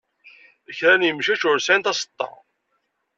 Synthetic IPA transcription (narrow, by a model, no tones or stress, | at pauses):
əçɾænjəmʃæt͡ʃʊɾsænt̪ɑsə̥t̪ˤːɑ̰